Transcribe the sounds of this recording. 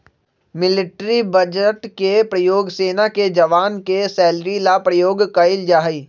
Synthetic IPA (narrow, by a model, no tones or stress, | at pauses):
mɪlɪʈɾibəd͡ʒəʈkepɾɐjoːɡseːnaked͡ʒɐʋaːnkesɛːlɾilapɾəjoːɡkɐɪld͡ʒaːɦiː